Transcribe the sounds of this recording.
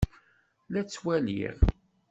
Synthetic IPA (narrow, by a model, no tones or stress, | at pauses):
læt͡sːwælḭɾ